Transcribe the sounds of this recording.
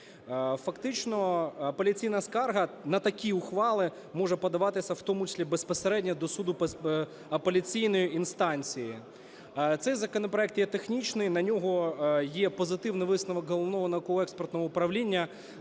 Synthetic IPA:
fɐkt̪ɪt͡ʃnɔɐpelʲit͡sʲijnɐskɑrɦɐnɐt̪ɐkʲiʊxʋɑlˠɪ | mɔʐɛpɔd̪ɐʋɑt̪ɪsʲɐwt̪ɔmʊt͡ʃɪ̥sʲlʲibespɔseɾɛdʲnʲɐd̪ɔsud̪ʊp | ɐpelʲit͡sʲijnɔjiinst̪ɑnʲt͡sʲiji | t̪sɛjzɐkɔnɔpɾɔɛk̚t̪jɛt̪exnʲit͡ʃnɪjnɐnʲɔɦɔjɛpɔzɪt̪ɪʋnɪjʋɪsnɐʋɔkɦɔlˠɔʋnɔɦɔnɐkɔɔɛkspɔrt̪nɔɦɔʊpɾɐʋlʲinʲːɐ

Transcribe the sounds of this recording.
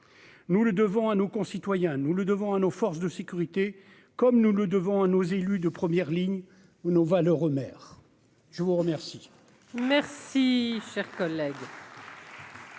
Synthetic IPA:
nuləd̪əvɔ̃anokɔ̃sit̪wajɛ̃nuləd̪əvɔ̃anofɔʁsd̪əsekʲyʁit̪e | kɔmnuləd̪əvɔ̃anozelyd̪əpχəmjɛʁliɲ | unovalœʁəmɛːʁ | ʒ̥əvuʁəmɛʁsi | mɛʁsiʃɛʁkɔlɛɡ

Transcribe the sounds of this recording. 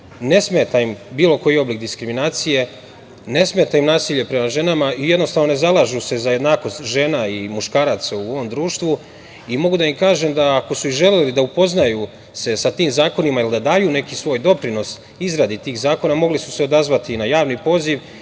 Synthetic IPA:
ne̞smeːt̪aimbiːlo̞ko̞jio̞blik̚d̪iskɾiminaːt̪sije̞ | ne̞smet̪aimnaːsiːʎe̞pɾe̞maʒe̞namaijd̪no̞st̪aːʋnone̞zalˠaʒuse̞zaje̞d̪naːko̞st̪ʲʒe̞ːnaimuʃkaːɾat̪sauo̞ʋo̞md̪ɾuːʃt̪ʋu | imo̞ɡud̪aimkaːʒemd̪aːko̞suiʒe̞lelid̪aupo̞znaju | se̞sat̪iːmzaːko̞nimailid̪ad̪aːjune̞kisʋo̞ːjd̪o̞pɾino̞s | izɾad̪it̪iːɣzaːko̞namo̞ɡlisu̥se̞o̞d̪azʋat̪inajaːʋnipo̞ːziʋ

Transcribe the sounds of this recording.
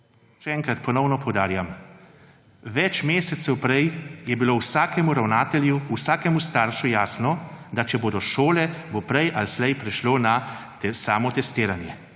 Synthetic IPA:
ʃɛɛːŋkɾat̪pɔnɔwnɔpɔwd̪aːɾjam | ʋɛt͡ʃmeːsɛt̪sɛwpɾɛjjɛbiloːwsaːkɛmuɾawnaːt̪ɛljuusaːkɛmust̪aːɾʃujaːsnɔd̪at͡ʃɛboːd̪ɔʃoːlɛbopɾɛjʔalslɛjpɾɛʃloːna | saːmɔt̪ɛst̪iːɾanjɛ

